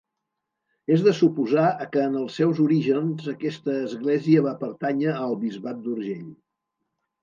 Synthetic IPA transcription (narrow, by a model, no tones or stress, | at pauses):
ezðəsupuzaəkəːnəlˠsːɛwzuɾiʒənzəkɛst̪əːzɣleziəβapəɾt̪aɲəəlˠβizβat̪̚d̪uɾʒeʎ